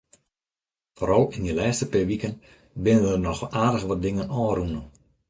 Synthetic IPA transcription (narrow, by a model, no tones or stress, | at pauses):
foːɾɔlˠɪndilɛːstəpɪʋikən | bɪnənərnɔxaːdəxʋɔt̚dɪŋənɔːrunə